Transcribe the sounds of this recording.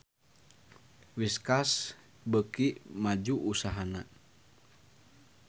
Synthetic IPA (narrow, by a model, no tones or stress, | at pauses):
wiskas | bəkiʔmad͡ʒuʔusaɦana